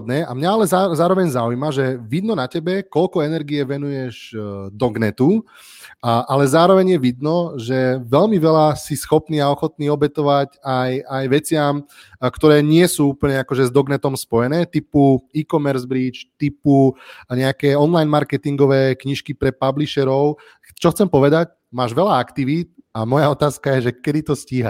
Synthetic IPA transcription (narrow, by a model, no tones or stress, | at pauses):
d̪nɛːʔa̰mɲaalɛzazaːɾɔʋɛɲzaujmaʒɛʋid̪nɔnacɛbɛkɔlkɔɛnɛɾɡiɛʋɛnujɛʒd̪ɔɡnɛt̪u | ʔalɛzaːɾɔʋɛɲjɛʋid̪nɔʒɛʋɛlmiʋɛlasisxɔpniːaɔxɔt̪niːɔbɛt̪ɔʋacajajʋɛt͡sɪam | kt̪ɔɾɛːɲɪɛsuːupl̩ɲɛakɔʒɛzd̪ɔɡnɛt̪ɔmspɔjɛnɛːt̪ipuiːkɔmɛɾzbɾiːt͡ʃt̪ipuɲɛakɛːɔnlajnmaɾkɛt̪iŋɡɔʋɛːkɲiʃkipɾɛpabliʃɛɾɔʊ | t͡ʃɔxt͡sɛmpɔʋɛd̪ac | maːʒʋɛlaakt̪iʋiːt̪̚amɔjaɔt̪aːskajɛʒɛkɛd̪it̪ɔsciːɦa̰